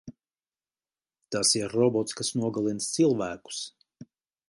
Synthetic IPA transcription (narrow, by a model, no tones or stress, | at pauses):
t̪asiɾːɔbɔt̪skasnuɔɡalˠinst̪silˠvæːku̥s